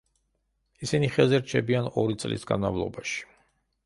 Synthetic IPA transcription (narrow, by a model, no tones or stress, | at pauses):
isiniχɛzɛɾt͡ʃʰɛbianɔɾit̪sʼlḭsɡa̰nma̰vlˠɔ̰baʃi̥